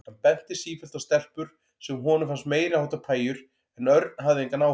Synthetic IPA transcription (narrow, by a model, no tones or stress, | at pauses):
anpɛn̥t̪ɪ̥siːfɛlt̪ast̪ɛl̥pʏɾ̥ | sɛmɦɔːnʏmfanst̪meːjɾɪahawt̪apʰaːjʏɾ | ɛnœɾt̪̚nɦavðɪejŋkanaːw